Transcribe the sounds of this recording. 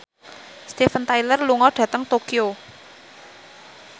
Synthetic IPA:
st̪efənt̪ajlərluŋɔɖ̥ä̤t̪əŋt̪okio

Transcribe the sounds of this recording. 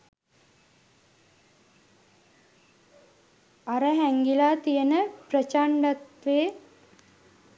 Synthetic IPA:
aɾəɦɛŋɡilaːt̪ijənəprət͡ʃaɳɖat̪ʋeː

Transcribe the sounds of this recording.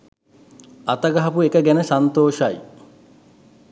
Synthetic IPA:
at̪əɡɐɦɐpuekəɡɛnəsant̪oːʃaj

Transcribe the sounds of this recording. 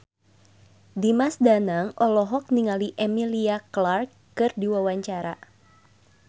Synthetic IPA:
dimasdanaŋʔɔlɔɦɔk̚niŋaliʔemiliaklarkːɨrdiwawaɲt͡ʃaɾa

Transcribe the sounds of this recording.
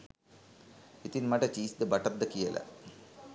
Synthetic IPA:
it̪inmɐʈɐt͡ɕiːsd̪ɐbɐʈɐrd̪ɐkijɐlʔɐ̰

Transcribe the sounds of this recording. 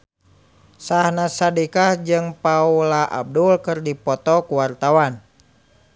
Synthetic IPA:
sahnasadikahd͡ʒɨŋpaulaʔa̰b̚dulkɨrdipɔt̪ɔkuwart̪awan

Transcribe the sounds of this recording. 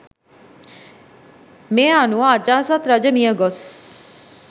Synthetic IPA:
meaːnuaːd͡ʒaːsat̪ɾɐd͡ʒɐmiəɡos

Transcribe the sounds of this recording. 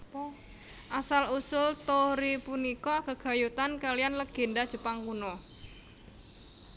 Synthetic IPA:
ʔasalusʊlt̪ɔɾipunikɔkəɡ̥a̤jut̪ankalijanləɡ̥e̤ndad̥ʒ̥ə̤paŋkunɔ

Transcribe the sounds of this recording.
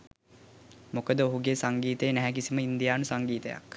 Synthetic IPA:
mokəd̪əoɦuɡeːsaŋɡiːt̪əjənɛɦæk̬isiməind̪ijaːnusaŋɡiːt̪əja̰k

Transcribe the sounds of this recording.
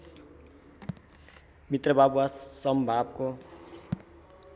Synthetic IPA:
mit̪rʌbabuasʌmbʱabko

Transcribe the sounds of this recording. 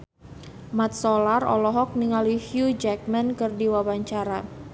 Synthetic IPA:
mat̪̚solarɔ̰lɔɦɔk̚niŋalihjud͡ʒɛk̚mɛnkərdiwawaɲt͡ʃaɾa

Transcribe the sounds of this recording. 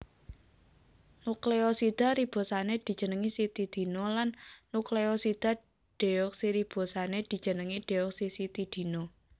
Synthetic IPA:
nukleosid̪̥a̤ɾib̥o̤saned̪̥i̤d̥d͡ʒ̥ə̤nəŋisit̪id̪̥i̤nolanːukleosid̪̥a̤ | ɖ̥e̤ɔksiɾib̥o̤saned̪̥i̤̥ʒ̥ə̤nəŋiɖ̥eɔksisit̪id̪̥i̤no

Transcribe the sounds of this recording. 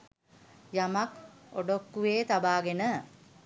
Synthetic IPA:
jamako̰ɖokːuʋeːt̪abaːɡenə

